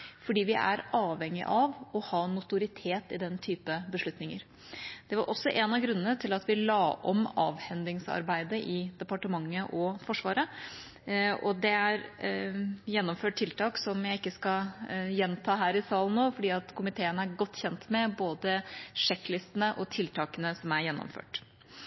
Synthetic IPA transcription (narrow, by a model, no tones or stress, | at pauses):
fɔɖiːʋɪʔæ̰ɾɑːʋhɛŋːɪ̰ʔɑʋɔhɑːnʊt̪ʊɾɪt̪ʰeːt̪ɪd̪ɛnːt̪ʰyːpəbəʂɭʉt̪nɪŋə̰ɾ | d̪̥ɛʋɑɾʔɔsːɔʔɛnɑʋɡɾʉnːənət̪ʰɪlɑt̪ʋɪlɑːʔɔmɑ̰ːʋhɛnd̪lɪŋsɑ̰ɾbæɪd̪əʔɪd̪ɛpɑʈəmɑŋːəʔɔfɔʂʋɑːɾə | ɔd̪ɛæɾ | jɛnːɔmføːʈ̚ʈ̪ʰɪlt̪ʰɑːksɔmjæɪɪkːəskɑjɛnt̪ʰɑːɦæːɾɪsɑːlən̩noːfɔɖiːɑt̪kʰʊmɪt̪ʰeːənəæɾɡɔt̪ːçɛnt̪mɛboːd̪əʂɛkːlɪst̪ənəʔɔt̪ʰɪlt̪ʰɑːkənəsɔmæɾjɛnːɔ̰mfø̰ːʈ